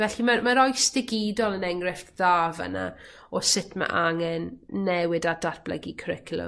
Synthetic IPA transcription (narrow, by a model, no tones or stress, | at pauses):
vɛɬimamaɾɔjsd̥ɪɡiːdɔlˠənɛŋrɪftðaːvə̰na̰ | ɔsɪtʰma̰ʔaŋɛnːɛwɨdadatb̥lˠə̰ɡikʰrɪkʰlˠʊ̰